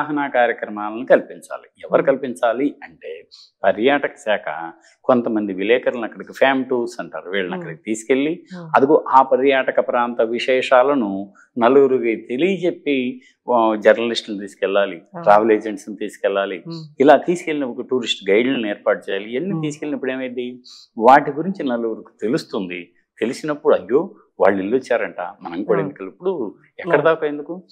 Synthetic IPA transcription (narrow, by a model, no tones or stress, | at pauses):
aɦɐnaːkaːɾjɐkɾɐmaːlɐnukɐlpiɲt͡ʃa̰ːliɛʋːɐɾikɐlipiɲt͡ʃaːliɐɳʈe̞ːpɐɾjaːʈɐkɐ̥sɛːkʰɐ̰ | ko̞nt̪ɐmɐnd̪iʋilɛːkɐɾlɐnɐkːɐɽɐkipʰaːmʈuːseɳʈɐ̰ɾʋeːɭɐnɐkːɐɽɐkit̪iːsi̥ke̞lːiɐd̪ukuʔaːpɐɾjaːʈɐkɐpɾaːnt̪ɐʋiʂɛːʂaːlɐnu | nɐluɡuɾuɡit̪elijt͡ʃepːi | d͡ʒɐɾnɐlisʈnut̪iːsi̥kɛɭːaːliʈɾaːʋɐleːd͡ʒeɳʈsnut̪iːsi̥kɛlːaːliːlaːt̪iːsi̥ke̞ɭːinɐpːukʈuːɾisʈɡɐjɖnɐnɛːɾpaːʈ̚t͡ʃɛːjaːlienːit̪iːsi̥kelːinɐpːuɽeːmɐd̪iʋaːʈiɡuɾiɲt͡ʃinɐluɡuɾuku̥t̪e̞lust̪und̪i | t̪e̞lisinɐpːuɽɐjːo̞ː | ʋa̰ːɭːilːuot͡ʃːaːɾɐɳʈaːmɐnɐŋkuːɽaɐend̪ukɐɭipːuɽu | ɛkːɐɽɐd̪aːkɐjend̪uku